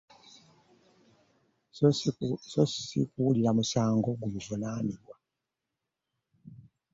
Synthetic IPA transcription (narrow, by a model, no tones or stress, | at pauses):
sosi̥sḭkuliɾamusaːŋɡo̞ɡuluvunaːniɾwa